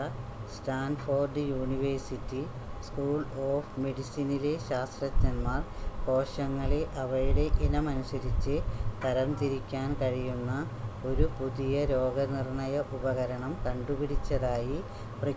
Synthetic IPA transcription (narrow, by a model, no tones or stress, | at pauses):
ɐ | staːnfo̞ːrɖɨjuːniʋersitːi | skuːɭo̞ːfme̞ɽisinile̞ɕaːst̪rɐt̪ːɐnmaːrko̞ːɕɐŋːɐɭeʔɐʋɐɻuɽe̞ʔinɐmɐnusɐɾit͡ɕːɨt̪ɐɾɐmt̪iɾikʲːaːnkɐɻijunːɐ | o̞ɾupuðijɐɾo̞ːɡɐnirɳɐjɐʔubɐɣɐɾɐɳɐmkɐɳɖupiɽit͡ɕːɐðaːji | prɐ